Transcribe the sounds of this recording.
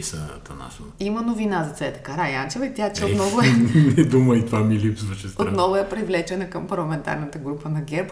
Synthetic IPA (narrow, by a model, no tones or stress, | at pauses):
isɐt̪ɐna̰ʃ | imɐnovinazɐt̪sɛt̪ɐ̥kaɾajant͡ʃɛvɐit̪ʲjat͡ʃɛot̪nɔvʊɛnɛd̪umɐit̪vamilipsvɐʃɛstot̪nɔvʊɛpɾivlɛt͡ʃɛnɐkɐmpɐɾlˠɐmɛnt̪a̰ɾnət̪əɡɾupənɐɡʲɛɾp